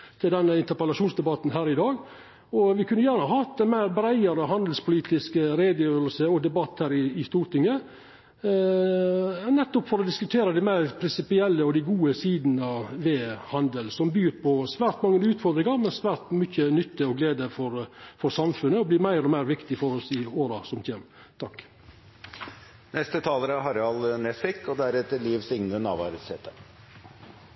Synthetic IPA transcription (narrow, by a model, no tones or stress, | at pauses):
t̪ʰɪld̪ɛnːəɪnt̪əɾpəlɑʂuːnsd̪ɛbɑt̪ːnɦæːɾɪd̪ɑːɡ | ɔʋɪkʰʉnːəjæːɾnəhɑhɑɑt̪ːænmæɪɾbɾæɪəɾəɦɑnd̪l̩spʰʊliːt̪ʰɪskəɾeɪd̪əjøːɾəlsəɔd̪ɛbɑt̪ːhæːɾɪɪst̪uːɾʈ̪ɪŋːə | nɛt̪ːɔpfɔɾɔd̪ɪskʉt̪ʰeːɾəd̪æɪmæɪɾpʰɾɪnsɪpɪɛlːəɔd̪æɪɡuːəsiːd̪n̩ɑʋʋeːhɑnd̪əlsɔmbyːɾpʰɔsʋæːɾʈ̪mɑŋːəʉːt̪fɔɾd̪ɾɪŋɑɾmɛnsʋæːɾt̪mʏçənʏt̪ːəɔɡleːd̪əfɔɾfɔɾsɑmfʉnəɔbliːmæɪɾɔmæɪɾʋɪkt̪ɪfɔɾɔsɪoːɾɑsɔmçeːm | t̪ʰɑk | nɛst̪ət̪ʰɑːləɾæɾɦɑɾɑlnɛsɪkːɔd̪æɾɛt̪ːəliːʋsɪŋnənɑ̰ːʋɑ̰ɾəshɛːt̪ʰə